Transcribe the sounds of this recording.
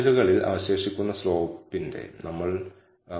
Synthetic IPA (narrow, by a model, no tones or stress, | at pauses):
luɣɐɭilʔɐ̰ʋɐɕe̞ːʂikʲːunːɐsroːɣpːinde̞̰nɐmːɐɭ